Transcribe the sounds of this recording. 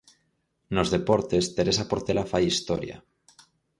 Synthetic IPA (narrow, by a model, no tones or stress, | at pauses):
nozðe̞poɾt̪est̪eɾesapoɾt̪elafajist̪o̰ɾja̰